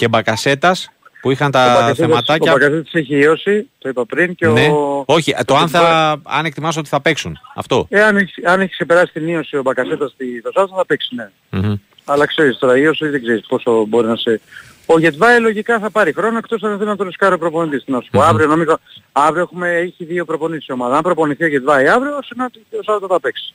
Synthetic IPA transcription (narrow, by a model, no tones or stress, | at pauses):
cebɐkɐse̞t̪ɐs | puixɐnt̪ɐθemɐt̪ɐbɐkɐset̪ɐ̥se̞çiio̞sit̪o̞ipɐpɾinceoneo̞çit̪oɐnθɐɐ̰nekt̪imɐs̬ot̪iθɐpeksunɐ̰ft̪o̞eɐneçiɐneçi̥sksepe̞ɾɐsi̥st̪inio̞sio̞bɐkɐse̞t̪ɐst̪iðo̞sɐsɐθɐpeksi̥ne | m̩ | ɐlɐkse̞ɾist̪o̞ɾɐiosiðeɡzeɾispo̞sobo̞ɾinɐse | o̞ʝe̞t̪vɐilo̞ʝikɐθɐpɐɾixɾo̞noek̚t̪o̞sɐnɐθelinɐt̪oɾiskɐɾiopɾo̞po̞nit̪̬ist̪inospoɐvɾio̞no̞mizoɐvɾioexumeeçiðio̞pɾo̞po̞nissio̞mɐðɐɐmpɾo̞poniθio̞ʝe̞t̪vɐiɐvɾiosineot̪iosɐt̪ɐθɐpeksi̥